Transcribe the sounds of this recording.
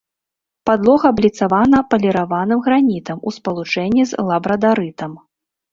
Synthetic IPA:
pad̪lˠɔɣɐːblʲit̪savanɐpɐlʲɛɾavanɨmɣɾanʲit̪ɐmuspɐlˠut͡ʂɛnʲːizlˠabɾɐd̪aɾɨt̪ɐm

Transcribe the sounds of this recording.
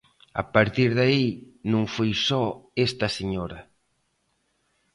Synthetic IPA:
a̰paɾt̪iɾðainũŋfojsɔest̪ɐseɲoɾɐ

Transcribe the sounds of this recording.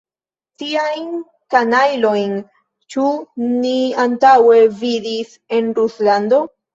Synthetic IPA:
tiajn | kanajlo̞jn | t͡ʃuniantawe̞vidis | e̞nɾuslando̞

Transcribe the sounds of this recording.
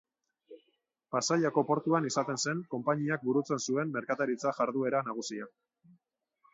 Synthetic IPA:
pasaʎako̞po̞ɾt̪uanisat̪e̞nse̞ŋko̞mpaɲiak̚buɾut͡se̞nsue̞mːe̞ɾkat̪aɾit͡saʝaɾðue̞ɾanaɣ̞usia

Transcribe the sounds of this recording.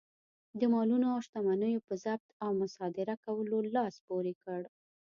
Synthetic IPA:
d̪əmɑlunoaʃt̪amanəjopəzab̚t̪awmʊsɑd̪ɪɾakawəlolɑspoɾekəɽ

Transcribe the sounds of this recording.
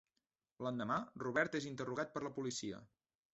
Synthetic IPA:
lənd̪əmaruβɛɾt̪ezint̪əruɣ̞at̪̚pəɾləpulisiə̰

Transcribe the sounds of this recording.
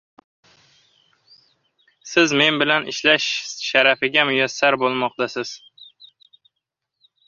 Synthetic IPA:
sɪzme̞nbɪlanɪ̰ʃlaʃʃaɾafɪɡʲamʊjasːaɾbolˠmɒq̚t̪asɪz̥

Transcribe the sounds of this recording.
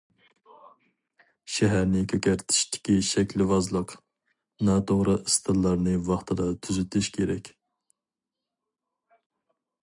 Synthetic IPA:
ʃɛɦæɾnɪkʲʰøkʲæɾt̪ʰi̥ʃt̪ʰɪ̥kʲiʃɛkʲlɪvɑzlˠəq | nɑt̪ʰoʁɾɨʔɨst̪ʰɨlˠːɑɾnɨvɑχt̪ʰɨd̪ɑt̪ʰyzyt̪ʰyʃkʲʰeɾɛkʲ

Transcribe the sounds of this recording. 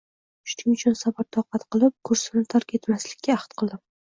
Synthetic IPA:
ʊ̥ʃnɪŋʊt͡ʃʰʊnsabaɾ̚t̪ʰɒqɑt̪qɨlˠɪp̚kʰɵɾsɪnɪt̪ʰaɾkʲʰe̞t̪maslɪkʲːaːχt̪qʰɨlˠd̪ɪm

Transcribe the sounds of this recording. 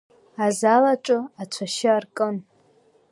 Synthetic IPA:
azalaʈ͡ʂʼʊat͡ʃʷʰaʃɪarkʼɨn

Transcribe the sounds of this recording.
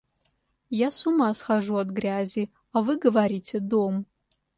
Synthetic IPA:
jasumasχaʐuatɡrʲazʲi | avɨɡɐvaɾʲitʲʰedom

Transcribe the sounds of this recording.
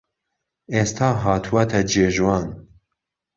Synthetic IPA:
est̪ʰɑːɦɑːt̪ʰuwɐt̪ʰɛd͡ʒeːʒwɑːn

